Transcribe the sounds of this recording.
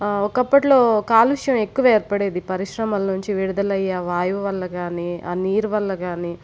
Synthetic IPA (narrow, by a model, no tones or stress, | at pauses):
ɔkɐpːɐʈlo̞ːkaːlʋiʂɐjɐme̞kːuʋɐeːɾpɐɽeːd̪ipɐɾiʃɾɐmɐlɐnuɲt͡ʃiʋiɽud̪ɐlɐjːaːʋaːjɐʋɐʋɐlːɐɡaːniːa̰niːɾuʋɐlːɐɡaːniː